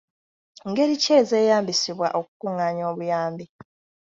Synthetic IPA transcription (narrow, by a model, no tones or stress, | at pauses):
ŋɡe̞ɾice̞ːze̞ːjaːmbisiβwa̰ʔo̞ku̥kuŋaːɲo̞ːβujaːmbi